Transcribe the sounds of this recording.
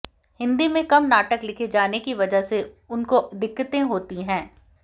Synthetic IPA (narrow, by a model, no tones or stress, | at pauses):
hɪ̃nd̪imẽkɐmnaːʈəklɪkʰed͡ʒaːnekiʋɐd͡ʒəɦse | ʊnkoʔɐd̪ʱɪkːət̪ẽɦoːt̪iɦɛ̃ː